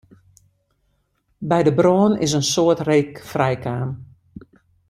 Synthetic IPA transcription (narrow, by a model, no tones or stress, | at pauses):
bɛjdəbroːənɪ̰s̬ənsoətreːkfrɛjkʰaːm